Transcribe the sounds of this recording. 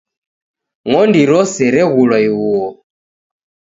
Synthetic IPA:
ŋɔndiɾɔsɛɾɛɣulwaiwuɔ

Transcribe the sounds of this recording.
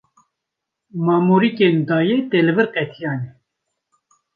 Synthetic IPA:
mɑːmuɾikeːnd̪ɑːjeːt̪eːlɨvɨɾqɛt̪ʰijɑːne

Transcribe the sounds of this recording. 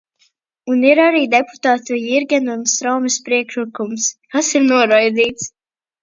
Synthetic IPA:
uniɾaɾiːd̪epu̥t̪aːt̪ujiɾɡʲɛnunst̪ɾawmispɾiɛkʃɨkumskasiɾnuɔɾajd̪ziːt̪s

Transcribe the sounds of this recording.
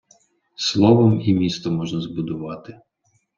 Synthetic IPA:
slˠɔʋɔmimʲist̪ɔmɔʒnɐzbʊd̪ʊʋɑt̪ɪ

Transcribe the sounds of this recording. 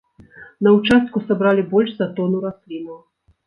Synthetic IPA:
nɐut͡ʂast̪̚kusabɾalʲibɔlʲʂzat̪ɔnuɾasʲlʲinɐw

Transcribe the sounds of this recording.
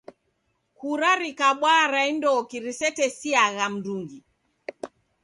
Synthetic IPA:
kuɾaɾikaɓwaɾaindɔkiɾisɛtɛsiaɣam̩duŋɡi

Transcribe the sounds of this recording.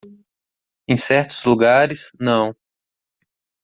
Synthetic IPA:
ẽj̃sɛɾt̪ʊ̥zluɡaɾɪsnɐ̃w̃

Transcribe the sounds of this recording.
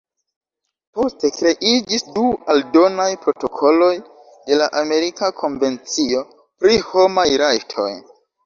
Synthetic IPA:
po̞ste̞kɾe̞ʔid͡ʒisdualdo̞najpɾo̞to̞kʰo̞lo̞j | de̞laʔame̞ɾikakʰo̞nve̞nt͡sio̞ | pɾiho̞majɾajtʰo̞̰j

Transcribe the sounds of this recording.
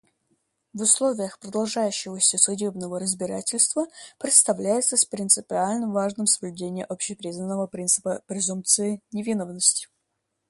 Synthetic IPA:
vʊslˠovʲɪjəxpɾəd̪ɐlˠʐajʉɕːɪvəsʲəsʊdʲebnəvəɾəzʲbʲɪɾatʲɪlʲst̪vəpɾʲɪt̪st̪ɐvlʲæjɪt̪səsʲpɾʲɪnt̪sɨpʲɪalʲnəmvaʐnɨmsəblʲʉdʲenʲɪjəʔopɕɪpɾʲiznənːəvəpɾʲint̪sɨ̥pəpɾʲɪzump̚t̪sɨɪnʲɪvʲinovnəsʲtʲɪ̥

